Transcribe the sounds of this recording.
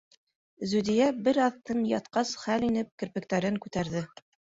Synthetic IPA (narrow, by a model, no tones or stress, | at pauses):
zʉd̪ijæbɘɾɑðt̪ɤnjɑt̪qɑsχælinɘp̚kɘ̆ɾpɘ̆k̚t̪æɾɘŋkʉt̪æɾðɘ